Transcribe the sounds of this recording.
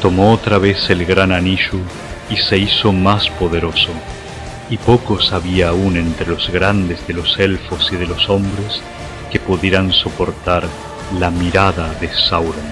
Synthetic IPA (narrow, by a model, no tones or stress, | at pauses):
t̪o̞moot̪ɾaβ̞e̞selɣɾananiʒu | ise̞iso̞maspoðeɾo̞so | ipo̞ko̞saβiaːunent̪ɾelozɣɾand̪ezðelo̞selfosið̞eloso̞mbɾes | kepuðje̞ɾanso̞po̞ɾt̪aɾ | lamiɾaðaðesawɾo